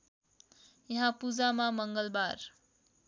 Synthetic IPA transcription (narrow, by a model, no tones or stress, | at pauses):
jʌɦãpud͡zamamʌŋɡʌlbar